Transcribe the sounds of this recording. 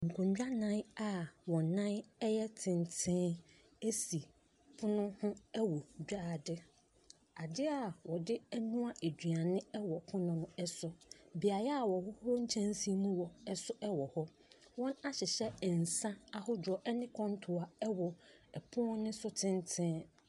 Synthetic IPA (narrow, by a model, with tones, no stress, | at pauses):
ŋ̩˨kʰʊ̃˨ɲd͡ʑᶣa˦nã˦na˨wɔ̃˨nã˦nɛ˦jɛ˦tʰɪ̃˨ntʰɪ̃˦ | e˦si˨ | pʰʊ˦nʊ̃˦hʊ̃˦ɛ˦wɔ˨d͡ʑᶣaː˦˨dɪ˦ | a˨dɪ˦a˨wɔ˨dɪ˦ɛ˦nũ˦a˦ʔe˨dɥa˨nɪ̃˦ɛ˦wɔ˨pʰʊ˦nʊ̃˦nʊ̃˦ɛ˦sʊ˦bi˨a˨jɛ˦a˨wɔ˨hʊ˦hɔ˦ɲ̩˦t͡ɕʰɛ̃˦nsi˦mũ˦wɔ˨ɛ˦sʊ˦ʔɛ˦wɔ˨hɔ˦ | wɔ̃˦na˦ɕɪ˨ɕɛ˦˨n̩˨sã˦a˦hʊ˦dɔ˨ʔɛ˦nɪ̃˦kʰɔ̃˦n˦tʰʊ˨a˨ɛ˦wɔ˨ɛ˨pʰʊ̃˦nɪ̃˦sʊ˦tʰɪ̃˦ntʰɪ̃˦